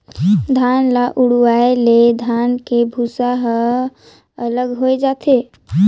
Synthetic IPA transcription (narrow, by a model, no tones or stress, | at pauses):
d̪ʱanlaʔuɽuwaeled̪ʱankebʱusaɦə | ələɡɦoed͡ʒat̪ʰe